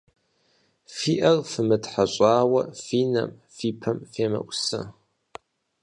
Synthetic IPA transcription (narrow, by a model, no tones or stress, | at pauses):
fiːʔɐrfɨmɨtħaɕʼaːwɐ̰fiːnɐ̰m | fiːpʰɐmfeːmɐ̰ʔʷsɨ̰